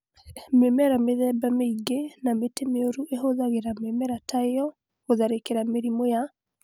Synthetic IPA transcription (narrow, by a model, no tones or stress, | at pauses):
memɛɾameðɛbameiɡenametemeoɾuʔeɦoðaɣeɾamɛmɛɾataejɔ | hoðaɾekeɾameɾimoja